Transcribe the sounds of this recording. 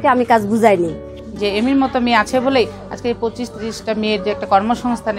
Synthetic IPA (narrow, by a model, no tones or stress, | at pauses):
keamikad͡ʑbud͡ʑʱajni | d͡ʑeemiɾmɔt̪omeat͡ɕʰebolej | a̰d͡ʑkeepɾot͡ɕiʃt̪iɾiʃʈameeɾd͡ʑɛk̚ʈakɔɾmoʃɔŋst̪ʰan